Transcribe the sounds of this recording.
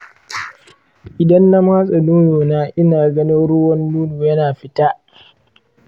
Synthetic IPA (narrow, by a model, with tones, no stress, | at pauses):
ʔɪ˨dɐ˦nːa˦maː˦sʼɐ˨nuː˦joː˨naː˦ʔɪ˦naː˨ɡɐ˦nɪ˦nɽʊ˦wɐ˦nːuː˦nuː˨jɐ˦naː˨ɸɪ˦taː˦